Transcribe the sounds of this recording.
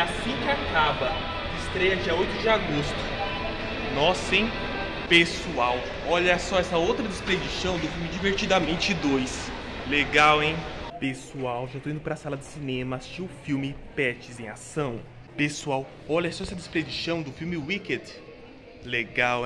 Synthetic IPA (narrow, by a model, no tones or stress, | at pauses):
asĩkɪakabɐ | ɪst̪ɾɛjɐd͡ʒiɐojt̪ʊd͡ʒɪaɡost̪ʊ̥ | nɔsẽj̃ | pesuaw | ɔʎɐsɔɛsɐowt̪ɾɐd̪espɾed͡ʒisɐ̃w̃d̪ʊfiwmɪd͡ʒiveɾt͡ʃid̪ɐmẽnt͡ʃɪd̪ojsleɡawẽj̃pesuawʒat̪oĩd̪ʊpɾɐsalɐd̪ɪsinẽmɐast͡ʃĩʊfiwmɪpɛt͡ʃɪzẽj̃a̰sɐ̃w̃ | pesuaw | ɔʎɐsɔɛsɐd̪ɪspɾed͡ʒisɐ̃w̃d̪ʊfiwmɪwikɛ̃d̪ | leɡaw